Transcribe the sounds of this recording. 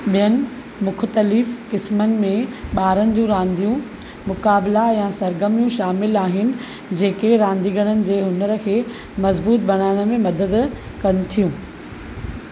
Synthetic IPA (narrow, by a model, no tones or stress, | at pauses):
ɓijənɪ̆ | mʊxʰt̪əlɪfkɪsmənɪ̆mẽɓaːɾənɪ̆d͡ʑũɾãːnd̪ijũ | mʊkaːblajãːsɐɾɡəmijũʃaːmɪlaːɦɪnɪ̆ | d͡ʑeːkeɾãːnd̪iɡʱəɽ̃ənɪ̆d͡ʑeːɦʊnəɾəkʰeː | mɐzbuːt̪̚bɐɽ̃aːɪɽ̃ə̆mẽmɐd̪əd̪ | kɐnɪ̆t̪ʰijũː